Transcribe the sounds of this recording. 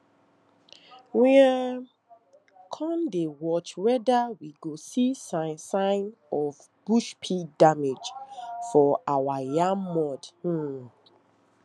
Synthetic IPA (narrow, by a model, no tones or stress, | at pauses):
wĩa | kʰɔ̃ndewɔt͡ʃwɛdawiɡosisãnsãɪnɔv | b̥uʃpʰidamed͡ʒfɔawajãmmɔd̩